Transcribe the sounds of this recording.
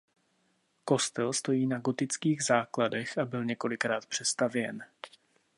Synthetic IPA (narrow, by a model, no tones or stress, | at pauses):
ko̞st̪ɛlst̪o̞jiːnaɡo̞t̪ɪt͡skiːɣzaːkladɛxʔabɪlɲɛko̞lɪkɾaːt̪pr̝̥ɛst̪avjɛn